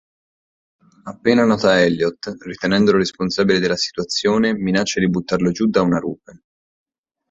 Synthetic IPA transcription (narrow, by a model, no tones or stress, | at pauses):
apːeːnanɔːt̪aɛljɔt̪ːrit̪enɛnd̪oloɾesponsaːbiled̪elːasi̥t̪wat̪sːjoːneminat͡ʃːad̪ibut̪ːarlod͡ʒud̪ːaunaɾṵːpe